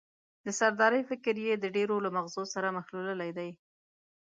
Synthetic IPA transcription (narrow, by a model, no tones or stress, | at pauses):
d̪əsaɾd̪ɑɾəjfɪkɾjed̪əɖeɾolamaɣzosaɾamaxluləlajd̪aj